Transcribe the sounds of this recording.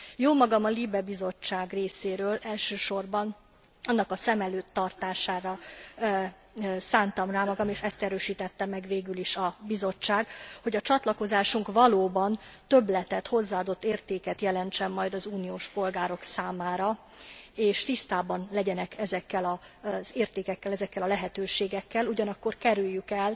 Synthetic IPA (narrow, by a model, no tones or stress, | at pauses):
joːmɒɡɒmɒlibɛbizo̞t͡ʃːaːɡreːseːɾøːlɛlʃøːʃo̞rbɒn | ɒnːɒkɒsɛmɛløːt̪ːɒrt̪aːʃaːɾɒ | saːnt̪ɒmraːmɒɡɒmeːʃɛst̪ɛɾøːʃiːt̪ɛt̪ːɛmːɛɡveːɡyliʃɒbizo̞t͡ʃːaːɡho̞ɟɒt͡ʃɒt̪lɒko̞zaːʃuŋkvɒloːbɒnt̪ø̞blɛt̪ɛt̪ho̞zːaːɒd̪o̞t̪ːeːrt̪eːkɛt̪jɛlɛnt͡ʃɛmːɒjd̪ɒzuːnijoːʃpo̞lɡaːɾo̞ksaːmaːɾɒ | eːʃt̪ist̪aːbɒnlɛɟɛnɛkɛzɛkːɛlɒz̥eːrt̪eːkɛkːɛlɛzɛkːɛlɒlɛɦɛt̪øːʃeːɡɛkːɛluɟɒnɒkːo̞rkɛɾyjːykɛl